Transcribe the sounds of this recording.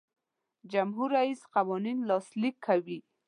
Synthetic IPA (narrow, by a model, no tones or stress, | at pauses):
d͡ʒamɦuɾaisqawɔninlɑslikʰːawi